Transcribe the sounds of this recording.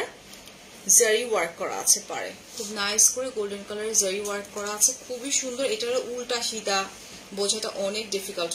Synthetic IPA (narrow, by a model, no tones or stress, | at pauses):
zeɾiwaɾkːɔɾa̰a̰t͡ɕʰepa̰ɾḛ | kʰubnajskoɾeɡolɖenkalaɾezeɾiwaɾkːɔɾaat͡ɕʰekʰubiʃund̪ʱoɾeʈaɾoʔulʈaʃit̪a | bod͡ʑʱaʈa̰ʔɔnek̚ɖifikalʈ